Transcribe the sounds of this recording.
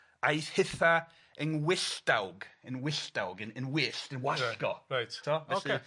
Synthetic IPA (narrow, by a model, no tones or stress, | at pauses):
ajshɪθa | ənwɪɬd̥awɡənwɪɬd̥awɡənənwɪɬtənwaɬɡɔɹajttʰoːvɛoɬie